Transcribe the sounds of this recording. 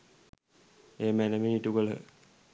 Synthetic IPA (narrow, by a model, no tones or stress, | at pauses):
eːmænəminiʈuɡələ̰